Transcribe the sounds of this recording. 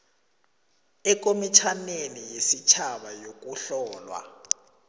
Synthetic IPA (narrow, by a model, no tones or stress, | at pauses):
ɛk̬ʼomit͡ʃʰanenijesit͡ʃʰaɓajok̬ʼuɬɔːlwa̰